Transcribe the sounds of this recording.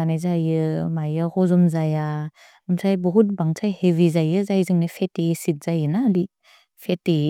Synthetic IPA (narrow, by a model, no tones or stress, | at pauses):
anezajɯmajahɔzɔmzaja | ɯmsʰajbɔɦut̚baŋsʰajheβizajɯzajzɯŋnapʰetesit̚z̥ajɯnadi | pʰete